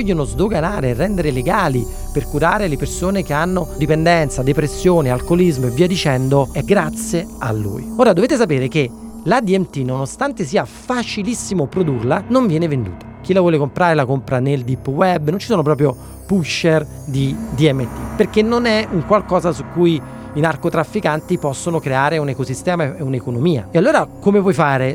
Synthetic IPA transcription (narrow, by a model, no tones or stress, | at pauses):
ɔʎːonozd̪oɡanaːɾerːɛnd̪eɾeleɡaːli | perkuɾaːɾelepersoːnekeanːod̪ipend̪ɛnt̪sad̪epɾesːjoːnealkolizmoevːiːad̪it͡ʃɛnd̪oɛɡɾat̪sjea̰lːṵːjoːɾad̪oveːt̪es̬apeːɾeke | lad̪iɛmt̪inonost̪ant̪esiːafat͡ʃilisːimopɾod̪urlanoɱvjɛːnevend̪ṵːt̪ʰḁk̟ilavwɔːlekompɾaːɾelakompɾaneld̪ipːwɛbːnont͡ʃisoːnop̬ɾɔːp̬ɾjo | puʃːer | d̪id̪iɛmːet̪ːḭperkenːonɛuŋkwalkɔːzasukːuj | inarkot̪ɾafːikant̪ipɔsːonokɾeaːɾeunekosist̪ɛːmaeunekonomiːa̰ealːoːɾakomevwɔjfaːɾe